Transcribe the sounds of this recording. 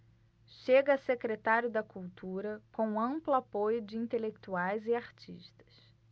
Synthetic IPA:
ʃeɡɐsekɾet̪aɾjʊd̪ɐkuwt̪uɾɐkõw̃ɐ̃mplʊapojʊd͡ʒɪĩnt̪elek̚t̪uajzɪaɾt͡ʃḭʃt̪ɐ̥s

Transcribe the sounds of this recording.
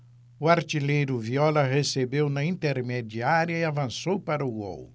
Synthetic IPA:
uaɾt͡ʃ̪ilejɾʊviɔlɐʁesebewnɐĩnt̪eɾmed͡ʒiaɾjɐiavɐ̃sowpaɾɐuɡo̰w

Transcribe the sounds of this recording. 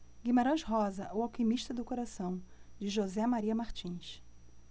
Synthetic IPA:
ɡimaɾɐ̃ʃɦɔzɐʔuawkimiʃt̪ɐd̪ʊkoɾasɐ̃w̃d͡ʒɪʒozɛmaɾiɐmaɾt͡ʃĩʃ

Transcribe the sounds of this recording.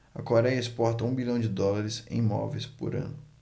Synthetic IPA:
ɐkoɾɛjɐɪspɔɾt̪ɐũbiʎɐ̃w̃d͡ʒɪd̪ɔlaɾɪsḛ̃j̃mɔ̰vejspʊ̰ɾɐ̰̃nʊ

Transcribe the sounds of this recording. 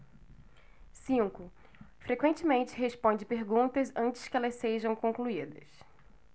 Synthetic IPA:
sĩŋkʊ | fɾekwẽt͡ʃɪmẽnt͡ʃɪɦespõnd͡ʒɪpeɾɡũnt̪ɐzɐ̃nt͡ʃɪ̥skɪɛlɐsseʒɐ̃w̃kõŋkluid̪ɐ̰s

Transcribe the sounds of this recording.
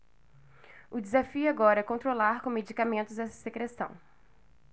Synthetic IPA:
ʊd͡ʒezafiʊaɡɔɾɐɛkõnt̪ɾolaɾkõmed͡ʒikamẽnt̪ʊzɛsɐ̥sekɾesɐ̰̃w̃

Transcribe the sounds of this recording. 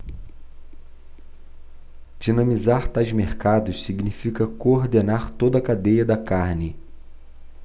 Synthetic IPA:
d͡ʒinɐ̃mizaɾt̪ajzmeɾkad̪ʊssiɡnifikɐkoɾd̪enaɾt̪od̪ɐkad̪ejɐd̪ɐkaɾnɪ

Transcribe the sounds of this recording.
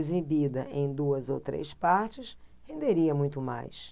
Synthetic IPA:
zibid̪ɐʔẽj̃d̪uɐzo̰wt̪ɾḛjspaɾt͡ʃɪshẽnd̪eɾiɐmũj̃t̪ʊma̰js

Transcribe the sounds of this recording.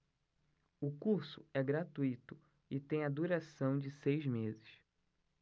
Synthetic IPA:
ʊkuɾsʊɛɡɾat̪uit̪ʊ | ɪt̪ẽj̃ɐd̪uɾasɐ̃w̃d͡ʒɪsejzmezɪʃ

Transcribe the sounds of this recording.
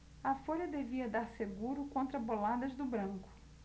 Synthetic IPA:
ɐfoʎɐd̪eviɐd̪aɾseɡuɾʊkõnt̪ɾɐbolad̪ɐzd̪ʊbɾɐ̃ŋkʊ̥

